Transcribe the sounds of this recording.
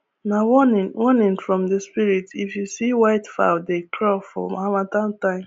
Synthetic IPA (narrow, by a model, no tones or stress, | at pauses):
nawnwɔnɪ̃nfɹɔ̃mdespiɹitifjusiwaɪtfa̰ʊdekʰɾɔfɔ̰mamatãntãɪ̃m